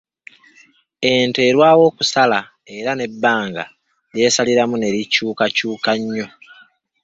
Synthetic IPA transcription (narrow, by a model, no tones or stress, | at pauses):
e̞nte̞ɾwaːwo̞ːkusala | e̞ɾane̞bːaːŋɡa | lje̞ːsaliɾamune̞ɾicuːkacuːkaɲːo̞